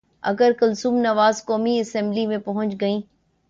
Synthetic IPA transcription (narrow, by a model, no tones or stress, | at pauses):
ɐ̰ɡəɾkɐlsuːmnɐʋaːzkɔːmiɐsɛ̃mblimẽpɐɦʊ̃ɲt͡ʃɡɐĩː